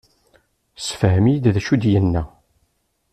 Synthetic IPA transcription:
sə̥fhəmjəd̪ðæʃud̪jənːæ

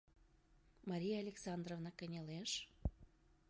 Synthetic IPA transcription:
mɑɾʲijɑalʲeksɑnd̪rovnɑkənʲeleʃ

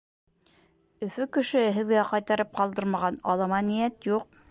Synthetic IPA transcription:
ɵ̆fɵkɵ̆ʃɵɘɦɘ̆ðɡæqɑjt̪ɑɾɤp̚qɑlˠd̪ɤɾmɑʁɑnɑ̰lˠɑmɑnijæt̪juq̚

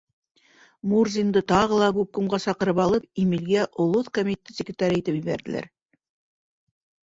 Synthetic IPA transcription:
murzʲind̪ɤt̪ɑʁɤlˠɑkʉp̚kɵ̆mʁɑsɑqɤ̆ɾɤpɑlˠɤpimilɡæʔŏlˠoθkomʲit̪ʲet̪et̪sʲɪkrʲɪt̪aɾʲiit̪ɘpjɘ̆βæɾd̪ɘ̆læ̰ɾ

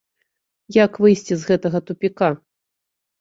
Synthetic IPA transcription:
jakvɨjsʲt͡sʲizɣɛt̪ɐɣɐt̪upʲika

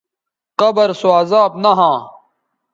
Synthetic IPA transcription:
qɐbəɾsoaːzaːbnaɦãː

